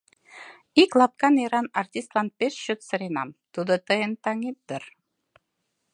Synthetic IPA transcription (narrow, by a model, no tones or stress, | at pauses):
iklˠɑp̚kɑneɾɑnɑrt̪ʲist̪lˠɑnpʲeʃʃøt̪sɤ̆ɾenɑ̰mt̪ud̪ɤ̆t̪ɤjənt̪ɑŋep̚d̪ə̆r